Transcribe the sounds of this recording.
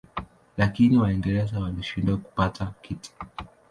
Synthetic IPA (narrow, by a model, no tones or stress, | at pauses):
lakiniwaɛndɛɾɛzawaliʃindaku̥patʰakiti̥